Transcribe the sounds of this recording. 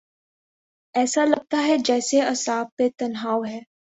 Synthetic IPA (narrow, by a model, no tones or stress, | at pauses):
ɛːsalɐɡ̚t̪aɦɛd͡ʒɛːseɐsaːb̚ːet̪ɐnɦaːʋɦɛː